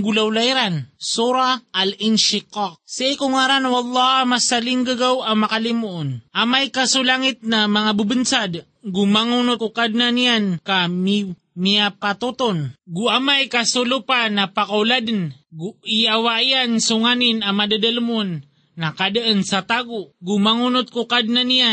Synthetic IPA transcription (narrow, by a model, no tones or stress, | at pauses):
ɡulawlajɾansuɾaːlɪnʃɪqɑq̚siikʊŋaɾanwɑlˤːɑhmasalɪŋɡaɡawamakalɪmuʔonʔamajkasulaŋɪt̪̚namaŋabəbənsad̪ | ɡumaŋunot̪ʊkad̪̚nanijankam | miapat̪ut̪onɡʊʔamajkasʊlupanapakawlad̪nɡʊijawaʔjansʊŋanɪnamad̪ad̪almʊnː | akad̪ʔənsat̪aɡʊʔɡʊmaŋunʊt̪̚kʊkad̪̚nanija